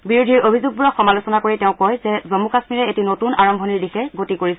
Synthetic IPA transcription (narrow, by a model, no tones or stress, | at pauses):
biɹudʱiɹobʱizuɡ̚buɹɔxɔmalusɔnakoɹitɛʊ̃kɔjzɛzomukasmiɹɛetinotunaɹɔmbʱɔniɹdixɛɡotikoɹisɛ